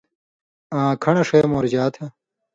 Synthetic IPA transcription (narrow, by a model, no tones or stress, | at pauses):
ãːkʰɐɳɐʂejɐmoːɾd͡ʑaːt̪ʰɐ